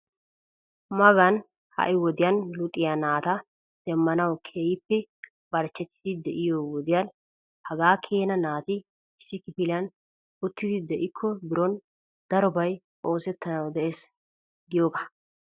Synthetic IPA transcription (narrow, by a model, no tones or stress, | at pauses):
mɐɡɐn | hɐ̰ʔɪwɔd̪ɪjɐnlʊt̪ʼɪjɐnaːt̪ɐ | d̪̥ɛmːɐnɐwkʰeːjɪpːɛ | b̥ɐɾt͡ʃːɛt̪ːɪ̥d̪ɪd̪ɛʔɪjowɔd̪ɪjɐn | hɐɡaːkʰeːnɐnaːt̪ɪ | ɪsːɪkɪpɪlɪjɐn | ʊt̪ːɪd̪ɪd̪ɛʔɪkʰːɔbɪɾɔn | d̪̥ɐɾɔbɐj | ʔo̞ːsɛt̪ːɐnɐwd̪ɛʔeːs | ɡɪjoːɡḁ